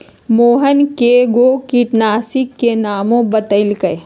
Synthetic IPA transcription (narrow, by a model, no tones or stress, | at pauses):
moːɦənkeɡokiʈnaːsikːenaːmõbət̪əɪlkəe